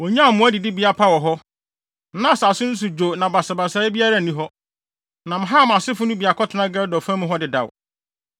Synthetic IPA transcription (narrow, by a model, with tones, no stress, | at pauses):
wɔ˨ɲã˦˨mʊ̃˦æ˦dɪ˨dɪ˦bi˨˦a˨pʰa˦wɔ˨ɦɔ˦ | nã˦˨sa˨sʊ̃˦n̩˦s̬ʊ˨d͡ʑo˨nã˨ba˨sa˨ba˨sa˨˦ɪ˦bi˦a˦ɾa˦˨nĩ˦ɦɔ˦ | nã˨m̩̃˨ɦa˦˨m˨a˨sɪ˦fʊ˦nʊ̃˦bi˨a˨kʰɔ˦tʰʊ˨nã˦ɡɛ˦dɔ˨fã˦mʊ̃˦ɦɔ˦dɪ˨da̰˨w